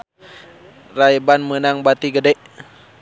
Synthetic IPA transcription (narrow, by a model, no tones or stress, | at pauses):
rajbanmənaŋbat̪iɡədɛʔ